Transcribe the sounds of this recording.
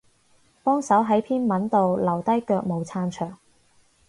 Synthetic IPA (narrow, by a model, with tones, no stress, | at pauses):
pɔː˥ŋsɐ˨˥wɦɐ˨˥jpʰiː˥nmɐ˨˥nt̪o˨wlɐ˨˩wt̪ɐ˥jkœː˧k̚mo˨˧wt͡sʰaː˧nt͡ʃʰœː˨˩ŋ